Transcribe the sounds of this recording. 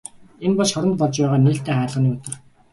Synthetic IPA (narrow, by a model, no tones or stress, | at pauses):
enpɔɮsχɔɾɞ̆nt̪̚pɔɮt͡ɕpæːʁaːneːɬt̪eːχæːɮə̆niːʊt̪ɞ̆r